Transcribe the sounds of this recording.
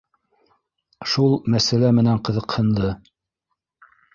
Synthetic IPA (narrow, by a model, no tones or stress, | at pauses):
ʃulˠmæsælæmɘ̆næɴqɤ̆ðɤ̆qhɤ̆nd̪ɤ